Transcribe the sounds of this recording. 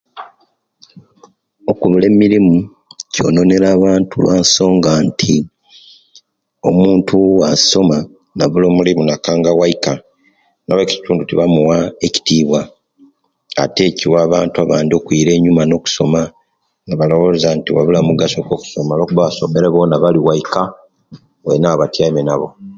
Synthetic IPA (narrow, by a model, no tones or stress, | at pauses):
o̞kuβule̞miɾimu | co̞̰no̞ne̞ɾaːβaːntulwaːnso̞ːŋɡantʰi | o̞̰muːntʰuwaso̞ma | naβulo̞ːmulimunakaːŋɡawaika | naweci̥tuːndutiβamuwaeci̥tiːβwa | te̞ːciwaːβaːntuaβaːndio̞kwiːɾe̞ːɲumano̞ːku̥so̞ma | naβalo̞βozantiwaβulamuɡaso̞koku̥so̞malo̞ːkuβaβaso̞meɾeβo̞naβaliwaika | wḛnaːβatjaimenaβo